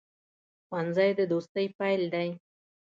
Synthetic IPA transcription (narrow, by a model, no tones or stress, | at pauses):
wwanzajd̪ɨd̪ost̪əjpajlʲd̪aj